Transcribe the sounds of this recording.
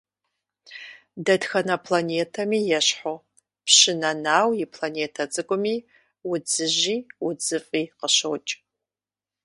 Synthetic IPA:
dɐdxɐnɐpʰlaneːtʰɐmiːjɛɕħo | pɕɪnɐnaːwjɪpʰlaneːtʰɐt͡sʼɨkʷʼʊmiː | wʊd͡zɨʑiːwʊd͡zɨfʼiːqəɕowt͡ʃʼ

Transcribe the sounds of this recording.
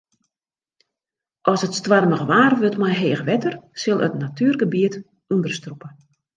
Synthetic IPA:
ʔɔsətstʋarməɣəʋaːrʋøtmajɦeːxʋɛtərsɪlˠə̰tnatʰyːrɡəbiət | undərstrupə

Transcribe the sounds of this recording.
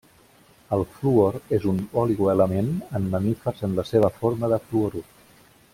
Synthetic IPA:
əlˠfluoɾezunɔliɣoələmenəmːəmifərzənləseβ̞əfoɾməðəfluoɾu

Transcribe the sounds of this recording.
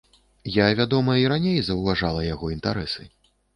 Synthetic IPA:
javʲad̪ɔmɐiɾanʲejzɐwvaʐalˠɐjaɣɔint̪a̰ɾɛsɨ̰

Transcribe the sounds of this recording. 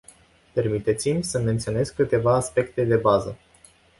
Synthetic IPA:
pe̞rmit̪e̞t̪simʲsəme̞nt̪sione̞zkːɨt̪e̞vaːspe̞kt̪e̞d̪e̞bazə

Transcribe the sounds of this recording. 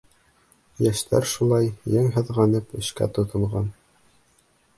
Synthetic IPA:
jæʃt̪ʰæ̰ɾʃulˠɑjːɘŋɦɤ̆ðʁɑnɤpɘ̆ʃkæ̰t̪ŏt̪ʰŏlˠʁɑn

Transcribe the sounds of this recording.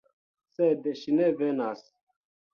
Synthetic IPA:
sed̪ʃinevenas

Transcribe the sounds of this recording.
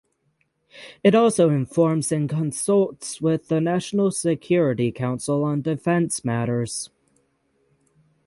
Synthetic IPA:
ɨɾɔlˠsoʊɪ̃ɱfɔɹmzɨ̃nkʰə̃nsʌlˠtswɪðənæʃnəl̩ˠsɪkʰj̥ʊɹɨɾikʰãʊ̃nsəlˠə̃ndɪfɛ̃nsmæɾə˞z̥

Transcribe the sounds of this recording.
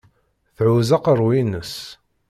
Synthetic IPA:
θʕuzɑqəɾˤwinəs

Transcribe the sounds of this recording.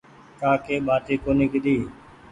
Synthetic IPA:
kaːkeːɓaːt̪eːkoːnikɗ̪iː

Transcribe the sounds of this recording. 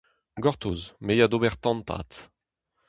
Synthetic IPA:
ɡɔʁt̪uzmejad̪obɛʁt̪ɑ̃nt̪a̰ːt̪

